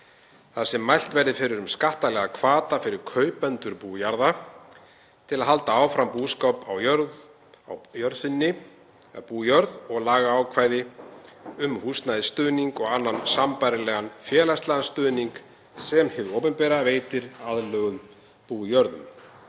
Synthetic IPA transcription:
θasɛmːajl̥t̪vɛɾðɪfɪɾɪɾʏmskaht̪alɛɣakʰvaːt̪afɪɾɪɾ̥kʰœːɥpɛnt̪ʏɾpuːjaɾða | t̪ʰɪlaðɦalt̪aaːwfɾampuːskɔpawjœɾð | awjœɾsɪnːɪ | puːjœɾðɔɣlaːɣaːwkʰvaːjðɪ | ʏmhusnajðɪst̪ʏːðniŋkɔɣanːansampajɾɪlɛɣanfjɛːlast̪lanst̪ʏːðniŋk | sɛmhɪðowpʏnpɛɾaveːjt̪ɪɾaðlœːɣʏm | puːjœɾðʏm

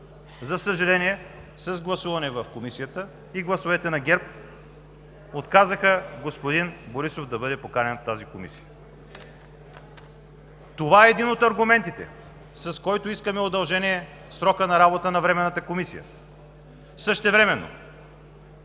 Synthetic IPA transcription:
zɐsəʒɐlɛniɛsɐzɡlˠɐsuvɐnɛvɐfkomisijət̪ə | iɡlˠɐsovɛt̪ɛnɐɡʲɛɾp̚ | ot̪kazəxəɡospod̪inboɾisofd̪ɐbɤd̪ɛpokaɾɛnft̪azikomisijə | t̪ovaɛːd̪inot̪ɐɾɡʊmɛnt̪it̪ɛ̰ | sɐskɔjt̪oiskəmɛod̪ɐlˠʒɛniɛ | sɾɔkənɐɾabot̪ənɐvɾɛmɛnːɐt̪əkomisijə̰ | səʃt̪ɛvɾɛmɛnːo̰

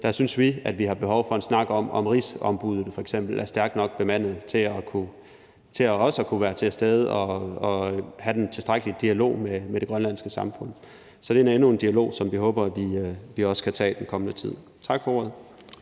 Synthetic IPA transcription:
d̥ɑ̈synsʋiæd̥ʋihɑ̈b̥e̝ɦɒʊfɒ̽e̝nsnɑ̈ɡ̥ɒ̽mɒ̽mʁisɒ̽mb̥uð̞ˠð̩ˠfɒ̽eɡ̥sem̰b̥l̩æɐsd̥æɐɡ̥d̥nɒ̽ɡ̥̚b̥e̝mæn̰ð̩ˠt͡sʰe̝ɒkʰu | t͡sʰe̝ɒɒ̽sɒ̽kʰuʋæːɐt͡sʰe̝lsd̥eð̞ˠɒ̽ɒ̽hæd̥ent͡sʰe̝lsd̥ʁaɡ̥əlid̥iælo̝̰ːmemeɾ̥e̝ɡ̥ʁɶnlænsɡ̥əsɑ̈mfɔ̽n̰ | sɒ̽ɾ̥e̝æɐe̝nue̝nd̥iælo̝̰ːsɒ̽mʋiɦɔ̽ːb̥ɐæʋiʋiɒ̽sə̥kʰæt͡sʰɛ̰ːd̥enkʰɒ̽mənət͡sʰið̞̰ˠ | t͡sʰɑ̈ɡ̥fɒo̝ɐðˠ

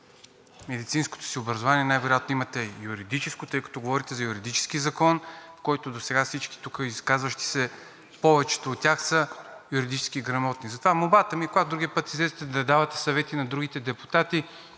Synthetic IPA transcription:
mɛd̪it̪sinsko̥t̪o̥siobɾəɐzovaniɛnajvɛɾjat̪noimɐt̪ɛjuɾid̪it͡ʃɛskot̪ɤjkɐ̥t̪ɔɡovɔɾit̪ɛzɐjuɾid̪it͡ʃɛ̥sk̟izɐkɔnfkɔjt̪od̪osɛɡafsit͡ʃki̥t̪ukəiskazvəʃt̪i̥sɛ | pɔvɛt͡ʃɛ̥t̪oːt̪ːʲjaxsəjuɾid̪it͡ʃɛ̥sk̟iːɡɾɐmɔt̪nizɐt̪ovamobat̪əmikoɡad̪ɾuɡiəpət̪izɛzit̪ɛd̪ɐd̪avɐt̪ɛ̥sɐvɛt̪inɐd̪ɾuɡit̪ɛd̪ɛpu̥t̪at̪i

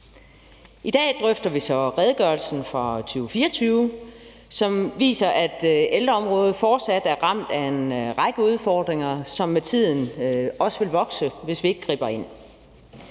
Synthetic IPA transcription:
id̥ɛ̰ːd̥ʁœfd̥ɐʋisɒ̽ʁɛð̞ˠɡ̥ɶɐlsn̩fʁɑ̈t͡sʰyːʊfiːɐt͡sʰyːʊ | sɒ̽mʋḭːsɐʔæd̥eld̥ʁɐɒ̽mʁɔ̽ːð̞̩ˠfɒːd̥sæd̥æɐʁɑ̈m̰d̥æenʁɑ̈ɡ̥əuð̞ˠfɒːd̥ʁeŋɐsɒ̽mːet͡sʰið̞̰ˠn̩ɒ̽səʋe̝lʋɒ̽ɡ̥səʋe̝sʋie̝ɡ̥ɡ̥ʁḭːb̥ɐe̝n̰

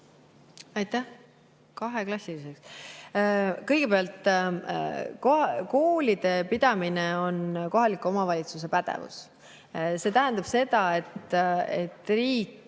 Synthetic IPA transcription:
ɑjt̪ːæh | kɑɦe̞klɑsːiliseks | kɤ̞jɡ̥e̞peɑlt̪ˑ | koko̞ːlid̪̥e̞pid̪̥ɑmineo̞nko̞ɦɑlikːˑuo̞mɑvɑlʲit̪suse̞pæd̪̥ḛvṵs | se̞t̪æɦænd̪̥ɑb̥se̞d̪ɑe̞t̪e̞t̪ːriːk

